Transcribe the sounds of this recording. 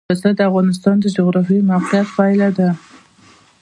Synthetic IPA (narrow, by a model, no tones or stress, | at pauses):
asad̪əafɣɑnɪs̬t̪ɑnd̪əd͡ʒʊɣɾɑfimawqijat̪fɑɪlad̪a